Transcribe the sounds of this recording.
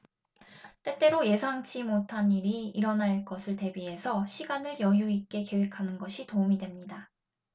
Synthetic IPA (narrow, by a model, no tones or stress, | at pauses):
t͈e̞t͈e̞ɾoje̞sʰɦaŋt͡ɕ͈ʰimotʰaniɾiiɾʌnaɭk͈ʌsʰɯɭte̞bie̞sʰʌɕʰiɡanɯɭjʌjuik͈e̞ke̞we̞kʰanɯnɡʌɕʰitoumidwe̞mɲida